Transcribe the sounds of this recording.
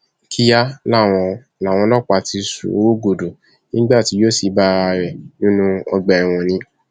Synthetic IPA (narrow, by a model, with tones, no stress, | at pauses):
kʰi˦ja˦la˦˨w̃ɔ̃˧ | la˨w̃ɔ̃˧lɔ˦˨k͡pa˧˨ti˧sṵ˨o˦ɡo˨do˨ | nĩ˦ɡ͡ba˦˨ti˨˦jo˦˨si˨˦ba˦˧ɾɛ˨nĩ˦nũ˦ɔ˧ɡ͡bɛ˧ɛ˨w̃ɔ̃˧nĩ˧˦